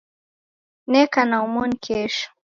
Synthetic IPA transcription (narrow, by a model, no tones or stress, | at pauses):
nekanawmunkʰeʂ